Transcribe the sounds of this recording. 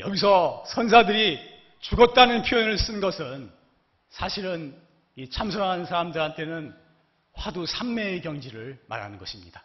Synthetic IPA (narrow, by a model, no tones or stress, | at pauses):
jʌɡis̬ʰʌsʰʌns̬ʰadɯɾi | t͡ɕuɡʌt̚t͈anɯnpʰjoʌnɯɭs͈ɯnɡʌsʰɯn | sʰaɕʰiɾɯn | it͡ɕʰamsʰʌɾannsʰaɾamdɯɾɦantʰe̞nɯn | ɸwadusʰamːe̞ːkjʌŋd͡ʑiɾɯɭma̰ɾɦa̰nɯnɡʌɕʰimɲid̥a